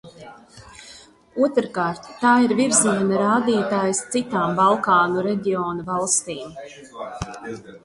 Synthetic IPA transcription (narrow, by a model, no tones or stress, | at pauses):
uɔt̪ɾkaːɾt̪ːaːiɾviɾziɛnaɾaːd̪iːt̪aːjst̪sit̪aːmbalˠkaːnuɾɛɟʲioːnavalˠst̪iːm